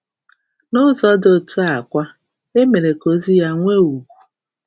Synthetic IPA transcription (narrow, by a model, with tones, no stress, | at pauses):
nʊ˦zɔ˦do˨tu˦a˨kʷa˦ | e˦me˨ɾe˨ko˨zi˦ja˦ŋʷe˦u˨ɡʷu˨